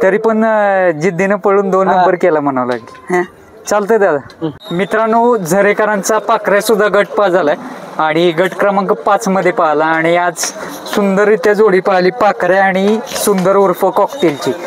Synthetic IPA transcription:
t̪əɾiːpəɳd͡ʑid̪ːinəpəɭuːnd̪onːəmbəɾkelam̤əɽ̃əʋla̰ɡĩ | t͡salt̪əd̪ad̪ʱamit̪ɾanuːd͡zʱəɾekəɾãnt͡sapakɾasud̪ʱːaɡəʈ̚pad͡zalaaɽ̃iɡəʈkɾəmaŋkəpat͡sməd̪ʱːjepaɦlaːɽ̃iad͡z | sund̪əɾit̪jad͡zoɽiːpaɦliːpakɾaaɽ̃isund̪əɾuɾfəkɔkt̪ilt͡ɕiː

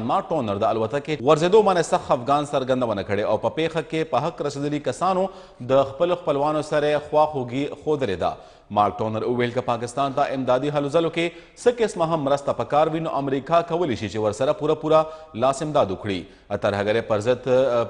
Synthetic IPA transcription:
nmɑɾk̚ʈonəɾd̪əalwat̪akeɣaɾzed̪omɑnesaxafɡɑnsaɾɡɐnd̪awənakəɽeawpəpexakepəɦakɾɐsed̪əlikasɑno | d̪əxpəloxpəlwɑnosɐɾexwɑxoɡixod̪əled̪a̰ | mɑɾk̚ʈonəɾuwelkəpɑkɪst̪ɑnt̪aʔɪmd̪ɑd̪iɦalozaloke | səkɪsmaɦamːɾəst̪apəkɑɾwinoʔamɾikɑkɐwəleʃit͡ʃewəɾsaɾapuɾapuɾalɑsɪmd̪ɑd̪ʊkɽḭ | t̪ɐɾɦaɡəɾepəɾzəd̪

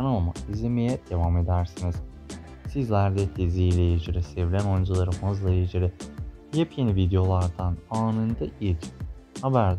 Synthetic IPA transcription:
anama̰izʲemejɛd̪̥e̞vame̞d̪æɾsiniz̥ | sizlʲæɾd̪ɛt̪ʰezijlʲɛjed͡ʒiɾɛsɛvlʲæno̞jnd͡ʒalˠaɾɯmazlˠajed͡ʒiɾɛ | jɛpʰjenivid̪ejo̞lˠaɾd̪anaːnɯnd̪aʔit͡ʃ | habæɾd̪

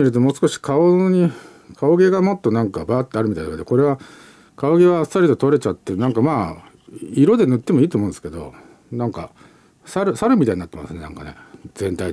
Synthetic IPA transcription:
iɾɯ̟t̪̬o̞mo̞ːsɨ̥ko̞ɕi̥kʰaoɲ̟i | kʰao̞ɡe̞ɡamo̞t̪ːo̞nãŋkabaːt̪ːeaɾɯmʲit̪aind̪oked̪ko̞ɾe̞βa | kaoɡe̞βassaɾit̪ot̪o̞ɾe̞t͡ɕat̪ːenãŋkamaː | iɾo̞d̪e̞nɯ̟t̪ːe̞mo̞iːt̪oːmõd̪sɨ̥ke̞d̪o̞̰ | nãŋka̰ | saɾɯ̟saɾɯ̟mʲit̪aiɲinat̪ːema̰sɨneã̰ŋka̰ne̞̰z̥ẽ̞nt̪ai

